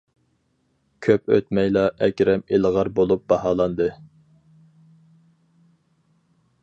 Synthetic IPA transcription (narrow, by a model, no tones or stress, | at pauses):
kʲʰøpø̰t̪mɛjlˠɑʔɛkʲɾɛmeləʁɑɾbolˠup̚bɑhɑːlˠɑnd̪ɨ